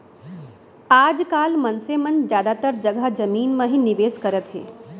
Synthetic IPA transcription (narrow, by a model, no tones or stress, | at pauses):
aːd͡ʒkaːlmɐnsemənd͡ʒjaːd̪at̪əɾd͡ʒɐɡad͡ʒɐmiːnmãɦĩnɪʋeːskɐɾət̪ɦḛː